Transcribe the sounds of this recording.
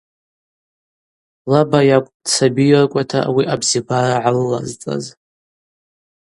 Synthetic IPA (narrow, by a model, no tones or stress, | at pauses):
labajakʷʼd̥t͡sʰabijrkʷʼatʰa̰wiʔabzibaɾaʕalːa̰zt͡sʼa̰z